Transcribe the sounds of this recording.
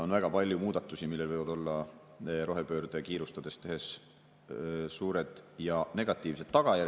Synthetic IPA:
o̞nvæɡ̥ɑpɑlʲjumuːd̪̥ɑt̪ːˑusimilːelvɤjvɑd̪o̞lːɑ | ɾo̞ɦe̞pøːrd̪ekiːɾust̪ɑd̪̥e̞st̪e̞ɦe̞s | suːɾe̞d̪̥jɑne̞ɡ̥ɑt̪ːˑiːvs̬e̞d̪t̪ːɑɡ̥ɑjæ

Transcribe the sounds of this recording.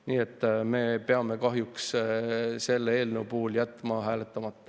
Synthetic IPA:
niːet̪ːˑme̞ːpe̞ɑme̞kɑɦjuks | se̞lːee̞ːlnewpuːljæt̪ˑmɑɦæːlet̪ːˑɑmɑt̪ːɑ̥

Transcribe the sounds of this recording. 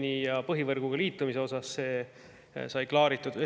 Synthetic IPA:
nijɑpɤɦivɤrɡ̥uɡ̥ɑliːt̪ːˑumise̞o̞sɑsːe̞ː | sɑjklɑːɾit̪ːˑud̪e

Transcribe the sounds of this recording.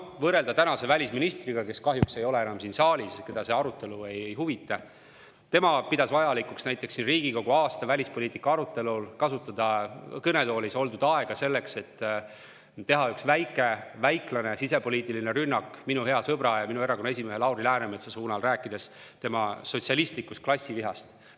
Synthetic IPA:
vɤrɾe̞ld̪̥ɑt̪ænɑse̞vælʲisminist̪riɡ̥ɑke̞skɑɦjukse̞jo̞le̞e̞nɑmsinsɑːlʲiske̞d̪ɑse̞ɑɾut̪ːˑe̞lue̞jejɦuvit̪ːˑɑ | t̪e̞mɑpid̪ɑsvɑjɑlikːˑuksnæjt̪ˑːeksːinriːɡ̥iko̞ɡ̥uɑːst̪ɑvælʲispoliːt̪ːˑikːˑɑɑɾut̪ːˑe̞lulkɑsut̪ːˑɑd̪̥ɑkɤne̞d̪o̞ːlʲiso̞ld̪ud̪̥ɑe̞ɡ̥ɑse̞lːe̞kse̞t̪ː | t̪ːe̞ɦɑyksvæjkːˑe̞væjklɑne̞sise̞po̞lʲiːt̪ːˑiline̞ɾynːɑkːminuɦe̞ɑsɤb̥ɾɑjɑminue̞ɾɑko̞nːɑesʲime̞ɦelɑwɾilæːnemet̪sesuːnɑlræːkːˑid̪̥e̞s | t̪e̞mɑso̞t̪ʲsiɑlist̪likːˑust̪klɑsʲːiviɦɑst̪

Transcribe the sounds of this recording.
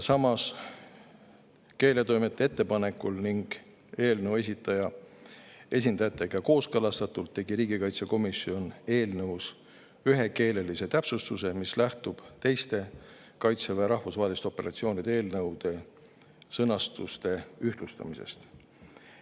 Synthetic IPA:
sɑmɑs | ke̞ːle̞t̪o̞jmet̪ːˑeet̪ːe̞pɑne̞kːulniŋɡ̥ | e̞ːlneuwe̞s̬ʲit̪ːˑɑjɑ | e̞s̬ʲind̪ɑjɑt̪ːˑe̞ɡ̥ɑko̞ːskɤlɑst̪ɑt̪ːˑult̪ːe̞ɡ̥iɾiːɡ̥ikɑjt̪seko̞misio̞ne̞ːlnɤws | yɦe̞ke̞ːle̞lise̞t̪æpsust̪use̞mislæht̪ub̥t̪e̞jst̪e̞ | kɑjt̪seveɾɑhfusvɑːɦelist̪o̞pːe̞ɾɑ̰t̪sio̞ːnid̪̥eeːlnɤ̞wd̪̥e̞ | sɤnɑst̪ust̪e̞yht̪lust̪ɑ̰mise̞̰st̪

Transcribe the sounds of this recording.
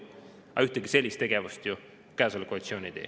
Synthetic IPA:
ɑ̰yht̪eɡise̞lʲːist̪e̞ɡ̥e̞vust̪ju | kæːsɑlkoɑlʲit̪sio̞ːnid̪̥e̞̰ː

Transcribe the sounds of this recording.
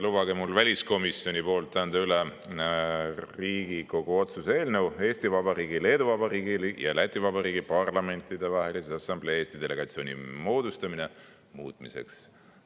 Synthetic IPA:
lub̥ɑɡemulvælʲisko̞misjo̞nʲipo̞ːlt̪ːæːnd̪̥ɑyle | riːɡ̥iko̞ɡ̥uo̞t̪suse̞ːlnewe̞ːst̪ivɑbɑɾiːɡile̞ːd̪uvɑbɑɾiːɡiljɑ̰læt̪ʲːˑivɑbɑɾiːɡipɑrlɑme̞nʲt̪id̪e̞vɑɦe̞liset̪ɑsɑmbleeːst̪id̪e̞le̞ɡ̥ɑt̪sio̞ːnʲḭmo̞ːd̪̥ust̪ɑmine̞ | muːt̪ˑmise̞̰ks

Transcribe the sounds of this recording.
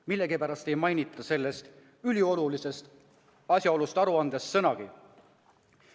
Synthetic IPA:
milːe̞ɡipæɾɑst̪e̞jmɑjnit̪ˑːɑse̞lːe̞st̪ | ylʲio̞lulise̞st̪ | ɑsʲjɑo̞lust̪ɑɾuɑnd̪̥e̞sːɤ̞nɑɡ̥i

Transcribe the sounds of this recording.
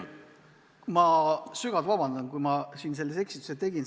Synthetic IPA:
mɑsyɡ̥ɑlt̪vɑbɑnd̪̥ɑnkujmɑsiːnse̞lːese̞ksit̪u̥set̪e̞ɡ̥in

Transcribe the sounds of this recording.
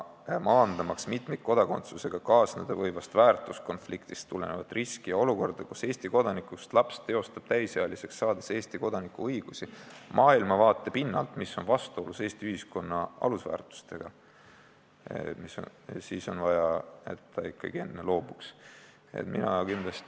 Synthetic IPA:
mɑnd̪ɑmɑksmit̪mejt̪̚ko̞d̪̥ɑko̞nt̪suse̞ɡ̥ɑkɑːsned̪̥ɑvɤjvɑst̪væːrt̪ˑusko̞nflikt̪i̥st̪ːule̞̰nevɑt̪riskijɑo̞luko̞rd̪̥ɑkuse̞ːst̪iko̞d̪ɑnikːˑust̪lɑpst̪ːe̞o̞st̪ɑb̥t̪æjsɑɑlise̞ksːɑːd̪̥ese̞ːst̪iko̞d̪ɑnikːuɤjɡ̥usimʔɑːilmɑvɑːt̪ːˑepinːɑ̰lt̪misːo̞nvɑst̪uo̞luse̞ːst̪iyhisko̞nːɑɑ̰lusvæ̰ːrt̪ˑu̥st̪e̞ɡ̥ɑ | miso̰ | siːso̞nvɑjɑe̞̰t̪ːɑikːˑɑ̰ɡ̥ie̞nːelo̞ːb̥uks | ḛt̪minɑ̰kind̪lɑst̪

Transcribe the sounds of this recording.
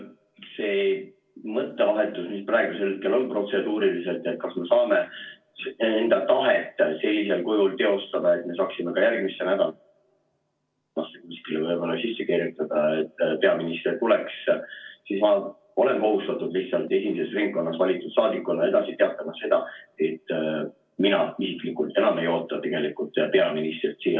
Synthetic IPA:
se̞ː | mɤt̪ːe̞vɑɦe̞t̪ːˑusmisprɑe̞ɡ̥use̞lkelo̞npro̞t̪se̞d̪uːɾilise̞lt̪ːˑet̪̚kɑsmesɑːme̞ | se̞nd̪̥ɑt̪ɑɦet̪ːˑse̞lʲːise̞lkujult̪e̞o̞st̪ɑd̪ɑe̞t̪me̞s̬ɑːksimekɑjærɡmisːenæd̪ɑ̰l | nɑst̪ːekmiskilːvɤjbo̞lɑsisːekirjut̪ːˑɑd̪̥ɑet̪ːˑpe̞ɑminist̪rirt̪ulekssismɑ | o̞le̞nko̞ɦust̪ɑt̪ːˑud̪liht̪sɑlt̪e̞simise̞srinɡ̚kːo̞nːɑsvɑlʲit̪ːˑud̥̪sɑːd̪ikːˑulːɑe̞d̪ɑsit̪e̞ɑt̪ːˑɑmɑse̞d̪̥ɑ̰e̞t̪ːˑ | minɑisiklikult̪ːenɑme̞jo̞ːt̪ːˑɑt̪e̞ɡ̥e̞likult̪ːˑpe̞ɑminist̪rit̪siː

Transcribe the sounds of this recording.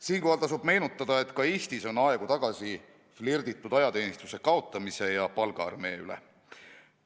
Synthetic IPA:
siːŋkohɑlt̪ɑs̬ub̥me̞ːnut̪ˑːɑd̪ɑe̞t̪ˑkɑeːst̪iso̞nɑe̞ɡ̥ut̪ɑɡ̥ɑsi | flird̪̥it̪ːˑud̪̥ɑjɑt̪e̞ːnist̪use̞kɑo̞t̪ːˑɑmise̞jɑpɑlɡ̥ɑɑ̰rme̞ːylḛ

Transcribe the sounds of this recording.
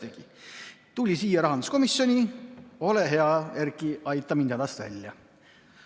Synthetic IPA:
eɡ̥i | t̪ulʲisiːjɑɾɑɦɑnd̪usko̞misjo̞nʲio̞leɦe̞ɑjærkiɑjt̪ːˑɑminɑd̪ɑst̪væ̰lʲːjɑ

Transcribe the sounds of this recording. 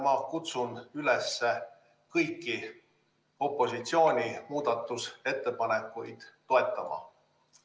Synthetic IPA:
mɑkut̪sunylesːe | kɤjkːˑi | o̞pːˑo̞sit̪sio̞ːnʲimuːd̪̥ɑt̪ːˑuse̞t̪ːe̞pɑne̞kːˑujd̪̥ːo̞e̞t̪ˑːɑmɑ̰

